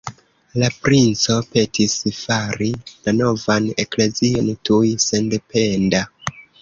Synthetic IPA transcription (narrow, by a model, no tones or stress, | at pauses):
lapɾint͡so̞pe̞tʰisfaɾilano̞vane̞kle̞zio̞ntʰujse̞nde̞pʰe̞nda